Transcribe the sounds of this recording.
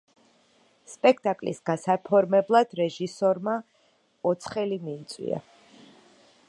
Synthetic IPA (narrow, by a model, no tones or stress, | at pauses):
spʼɛkʰt̪ʼakʼlḭsɡasapʰɔɾmɛblˠad̪̥ɾɛʒisɔɾma | ɔt̪sʰχɛlimiːt̪sʼwḭa̰